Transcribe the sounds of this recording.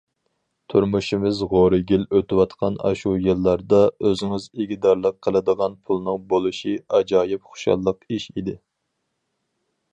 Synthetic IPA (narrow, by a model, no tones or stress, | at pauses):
t̪ʰuɾmuʃimɪzʁoɾɨɡʲiløt̪ɪwɑt̪qʰɑnɑ̰ʃujɨlˠːɑɾd̪ɑøzɪŋɪzeɡʲid̪ɑɾlˠəqʰːəlˠɨd̪əʁɑnpʰulˠnɨŋbolˠuʃiɑd͡ʒɑːjɪp̚χo̥ʃɑ̰lˠːəqiʃid̪ɪ